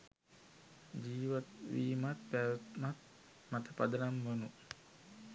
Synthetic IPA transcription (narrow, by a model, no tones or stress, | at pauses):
d͡ʒiːʋat̪ʋiːmat̪̚pæʋət̪mat̪̚ | mat̪əpad̪ənamʋanu